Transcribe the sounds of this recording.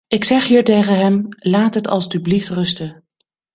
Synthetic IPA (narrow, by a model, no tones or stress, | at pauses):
ɪksɛχɦiːɹtejχənɦɛmlaːtɦətɑ̰lˠstybliftrɵstə